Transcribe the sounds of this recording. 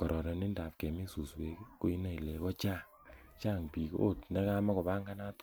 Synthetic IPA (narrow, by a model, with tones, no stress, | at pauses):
kɔ˨ɾɔ˨ɾɔ˨ni˦nda˨p̚kɛ˨mi˦su˨swe˦kko˦i˦na˦i˨le˨kɔ˦t͡ʃa˦˨ | t͡ʃa˦˨ŋpi˨ko̰˦tnɛ˦ka˦ma˦ko˨ba˦ŋɡa˦na˦t